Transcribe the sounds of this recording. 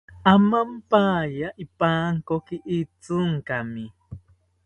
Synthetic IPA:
amampajaʔipaːŋkokiʔit͡sʊŋkami

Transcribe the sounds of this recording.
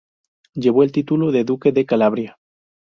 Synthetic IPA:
ɟ͡ʝe̞βo̞e̞lt̪it̪uloðeðuke̞ðe̞kalaβɾja

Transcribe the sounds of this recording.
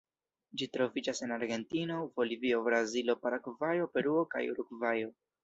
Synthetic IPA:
d͡ʒitɾo̞vid͡ʒase̞naɾɡe̞ntino̞vo̞livio̞bɾazilo̞paɾakvajo̞pe̞ɾuo̞ka̰juɾuɡvajo̞

